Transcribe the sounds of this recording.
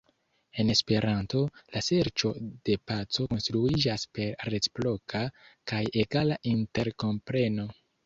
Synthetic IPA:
e̞ne̞spe̞ɾanto̞lase̞ɾt͡ʃo̞d̥e̞pat͡so̞ko̞nstɾuid͡ʒaspe̞ɾɾet͡si̥plo̞kʰakaje̞ɡalaʔinte̞ɾko̞mpɾe̞no̞

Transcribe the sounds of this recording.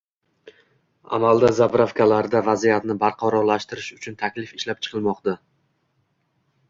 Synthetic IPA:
a̰mald̪azabɾafkʰʲalaɾd̪avazijat̪nɪbaɾqʰɒɾɒɾlaʃt̪ɪɾɪʃʊt͡ʃʰʊnt̪ʰakʲlɪfɪʃlap̚t͡ʃʰɨ̥qʰɨlˠmɒqt̪a

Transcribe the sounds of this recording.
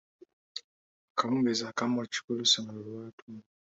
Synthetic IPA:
akaβumbezakamoci̥kulusamulwaːtu

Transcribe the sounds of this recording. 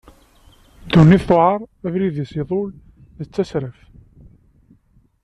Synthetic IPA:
d̪unːiθθoʕɑɾˤævɾiðisiðˤʊl | ðət͡sːæsɾəf

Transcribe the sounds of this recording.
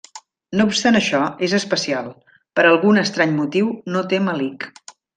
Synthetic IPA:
noupst̪anəʃɔezəspəsialˠ | pəɾəlˠɣunəst̪ɾaɲmut̪iwnot̪eməlik

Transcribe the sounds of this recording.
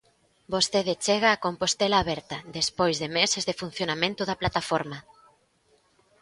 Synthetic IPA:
bosθeðet͡ʃeɣaːkompost̪elaːβɛɾt̪ɐðespojzðemesezðefun̟θjonamẽnt̪ʊðaplat̪afoɾma

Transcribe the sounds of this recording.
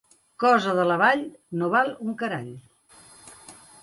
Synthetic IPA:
kɔzəðələβaʎnoβalˠuŋkəɾaʎ

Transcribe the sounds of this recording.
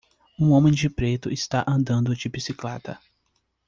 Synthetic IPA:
ũõmẽj̃d͡ʒɪpɾet̪ʊɪst̪aʔɐ̃nd̪ɐ̃nd̪ʊd͡ʒɪbisiklɛt̪ɐ̰

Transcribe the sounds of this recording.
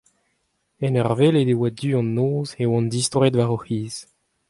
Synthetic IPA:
ɛnœʁveled̪ewad̪yːɑ̃nːoːzewɑ̃nd̪ist̪ʁed̪vaʁoχiːz̥

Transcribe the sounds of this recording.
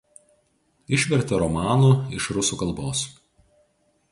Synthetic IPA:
ɪʃʲʋʲɛɾʲt̪ʲɛɾɔmɑːnuːɪʃɾʊsuːkɐlˠboːs

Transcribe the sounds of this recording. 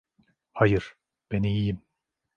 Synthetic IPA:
hajɯɾ̥ | b̥enijijim

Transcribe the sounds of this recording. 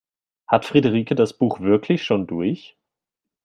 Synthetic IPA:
hatfʁ̥idəʁ̞iːkədasb̥uːxv̥ɪɐkʰlɪçʃoːndʊɐç

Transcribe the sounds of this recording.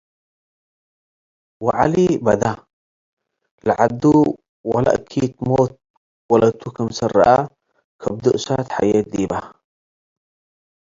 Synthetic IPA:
waʕa̰libad̪a | laʕad̪u | wala̰ʔkʰiːt̪moːt̪̚ | walat̪ukamsarːa̰ʔa | kʰab̚d̪uʔsaːt̪ħa̰jeːt̪̚d̪iːba

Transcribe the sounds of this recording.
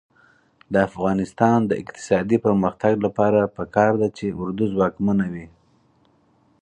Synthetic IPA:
d̪əafɣɑnɪst̪ɑnd̪əɪ̰qt̪ɪ̥sɑd̪ipəɾməxt̪aɡlapɑɾapəkɑɾd̪at͡ʃeʊɾd̪uzwɑkmanawi

